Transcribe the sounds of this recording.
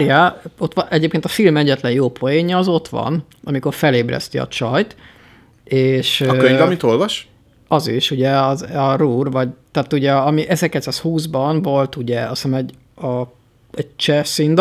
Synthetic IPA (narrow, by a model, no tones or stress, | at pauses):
ɾiaot̪ʋɒʔɛɟeːpkeːnt̪ɒfilmɛɟːɛt̪lɛnjoːpʰojeːɲɒːzo̞t̪ʋɒ̰n | ɒmiko̞rfɛleːbrɛ̰st̪iɒ̰t͡ʃɒjt̪ | eːʃøkøɲɒmit̪olvɒʃ | ɒziʃuɟɛɒzɒruːrvɒɟt̪aːt̪uɟɛɒmiʔɛzɛkɛcsashuːzbɒnvo̞lt̪uɟɛɒsnɛmɛɟ | ɒ | ɛɟt͡ʃɛsind̪